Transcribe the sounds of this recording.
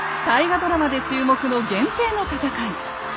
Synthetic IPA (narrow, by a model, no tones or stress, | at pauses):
t̪aiɡad̪o̞ɾamad̪e̞t͡ɕɨːmo̞kɯ̟no̞ɡẽ̞mp̪e̞ːno̞t̪at̪akãɲi